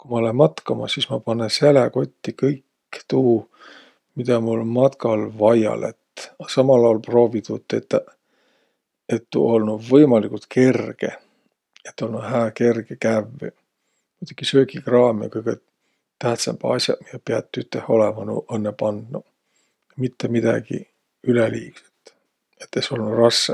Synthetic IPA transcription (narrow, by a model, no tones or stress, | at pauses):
kumɑolenmɑt̪kɑmɑsismɑpɑnːesæleko̞t̪ʲːikɤjkː | t̪uː | mid̪̥ɑmulmɑt̪kɑlvɑjɑ̰lḛt̪ɑsɑmɑlɑolpro̞ːvit̪ut̪ːˑet̪ːæ | et̪ːṵo̞lnuvɤjmɑlikult̪ke̞rɡ̥ḛ | et̪ːˑo̞lnuɦæːke̞rɡekæv̰ː | mut̪uɡ̥isø̞ːkikrɑːmḛkujkɑ | t̪æht̪sɑ̰mb̥ɑsʲjɑ̰miepeɑt̪ːyt̪ːˑeho̞lemɑnṵʔɤnːepɑnd̪̥nu | mit̪ːemid̪̥ɑ̰ɡ̥ḭ | yleliːkse̥t̪ | et̪ːˑeso̞lnurɑsːe